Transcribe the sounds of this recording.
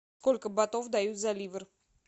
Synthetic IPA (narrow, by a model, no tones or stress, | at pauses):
skolʲkəbat̪ovd̪ajut̪zalʲivər